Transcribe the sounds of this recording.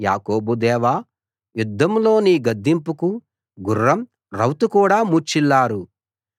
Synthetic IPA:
ja̰ːkoːbud̪ɛːʋaː | jud̪ːɐmlo̞ːniːɡɐd̪ːimpuku | ɡurːɐm | ɾɐwt̪ukuːɽaːmut͡ʃilːaːɾu

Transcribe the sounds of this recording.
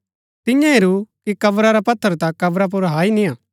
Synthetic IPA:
t̪ɪ̃jãɦɪɾukikɐbɾaɾapɐt̪ʰːəɾt̪akɐbɾap̬ʊɾɦaːinĩãː

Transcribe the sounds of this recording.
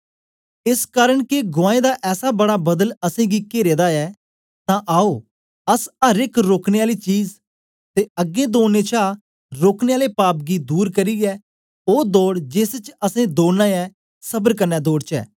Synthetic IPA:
ɪskaːɾəɳkɪɡʊaːẽːd̪aːʔɛːsaːbəɽaːbəd̪ələsẽːɡiːkeːɾeːd̪aːɛː | t̪ãːʔaːoː | əsəɾɪkɾoːkneːaːliːt͡ʃiːz | t̪eːəɡːẽːd̪oːneːt͡ʃʰaː | ɾoːkneːaːleːpaːp̚ɡiːd̪uːɾkəɾiːɡɛː | oːd̪oːɽd͡ʒeːst͡ʃəsẽːd̪oːnãːɛː | səbəɾkəɾnɛːd̪oːɽt͡ʃɛ̰ː

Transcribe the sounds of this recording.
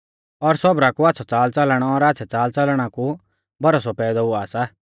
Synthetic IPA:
ɔɾsɔbɾakuaːt̪ːsʰɔt͡saːlt͡sɐlɽ̃ɔɔɾaːtːt͡ʃʰɛt͡saːlt͡sɐlɽ̃aku | bɐɾɔsɔpɛːd̪ɔuaːsa

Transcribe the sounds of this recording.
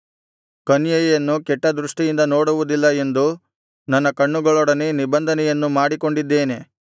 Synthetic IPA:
kɐnjɐjɐjɐnːukɛʈːɐd̪ɾuʂʈijind̪ɐnoːɽuʋud̪ilːɐe̞nd̪u | nɐnːɐkɐɳːuɡɐɭɔɽɐnenibɐnd̪ʱɐnɛjɐnːumaːɽiko̞ɳɖid̪ːe̞ːne̞

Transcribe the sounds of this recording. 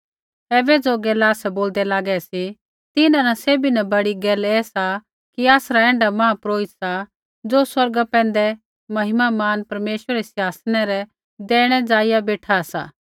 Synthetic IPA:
ɛːbɛd͡zoɡɛːlaːsɛboːld̪ɛlaːɡɛsi | t̪ɪnãnaseːbinabɐɽiɡɛːlɛːsa | kiaːsɾaɛ̃ːɳɖamãːpɾoːɪt̪sa | d͡zoːswɐɾɡapɛ̃ːn̆d̪ɛ | mɐɦɪmamaːnpɐɾmeːʃwəɾɾɛsjaːsnɛɾɛ | d̪ɛːɽ̃ɛd͡zaːɪjabeːʈʰasa̰ː

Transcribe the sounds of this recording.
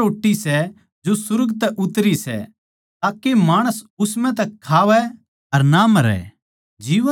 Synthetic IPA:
oːʈːisɛ | d͡ʒosʊɾɡt̪ɛʔʊt̪ɾisɛ̰ | t̪aːkemaːɽ̃əsʊsmɛ̃t̪ɛkʰaːʋɛ | ɐɾnamɐɾɛ̰ | d͡ʒiːʋə

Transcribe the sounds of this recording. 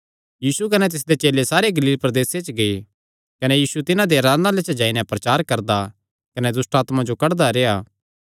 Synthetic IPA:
jiːsukɐnɛt̪̬ɪs̬d̪et͡ʃeːlesaːɾeɡɐliːlpɾɐd̪eːset͡ʃɡɐi | kɐnɛjiːsut̪ɪnãd̪eɾaːlãlet͡ʃd͡ʒaːinɛ̃pɾɐt͡ʃaːɾkɐɾd̪a | kɐnɛd̪ʊsʈaːt̪mãd͡ʒokɐɽd̪aɾeːaː

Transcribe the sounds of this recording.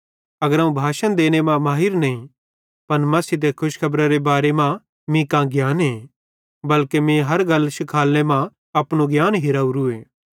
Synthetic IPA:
ɐɡəɾaũbʱaːʃənd̪eːñemãmaːɦɪɾnɐĩ | pɐnmɐsid̪ekʰʊʃkʰɐbɾaɾebaːɾemã | mĩkãɡjaːnɦẽ | bɐlkemĩɦɐɾɡɐlːʃɪkʰaːlːemã | ɐpɽ̃uɡjaːnɦɪɾaːuɾueː

